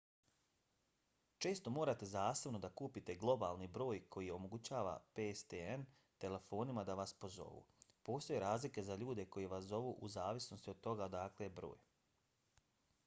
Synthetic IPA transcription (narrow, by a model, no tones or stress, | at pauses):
t͡ʃe̞ːst̪o̞mo̞ːɾat̪e̞zaːst̪aʋnod̪akuːpit̪e̞ɡlˠo̞baːlˠnibɾo̞ːjkʰo̞jio̞mo̞ɡut͡ɕaːʋa̰pest̪een | t̪e̞le̞fo̞ːnimad̪aʋaspo̞zo̞̰ʋṵːpo̞ːst̪o̞jeɾaːzlike̞zaʎuːd̪e̞ko̞jeʋaszo̞ʋuːʔuzaːʋisno̞st̪io̞d̪̚t̪o̞ɡaod̪aklejebɾo̞̰ːj